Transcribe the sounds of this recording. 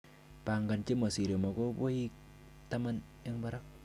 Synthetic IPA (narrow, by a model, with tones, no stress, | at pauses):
pa˨ŋɡa˨nt͡ʃe˦mo˨si˨ɾe˨mɔ˨ko˦bo˦i˦k̚ | ta˦ma˦n | e˦ŋba˦ɾa˦k̚